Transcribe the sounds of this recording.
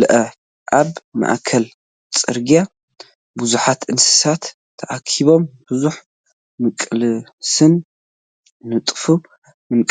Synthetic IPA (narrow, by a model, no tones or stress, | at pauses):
lɐʔɐ | ʔaβma̰ʔkʰɐl | t͡sʼɨɾɡja | buzuħat̪ʔɨnsɨ̥sat̪ʰː | ɐʔakʰiβo̞mb̥uzuħ | mɨkʼlɨsɨnː | ɨt̪ʼfu | mɨnkʼ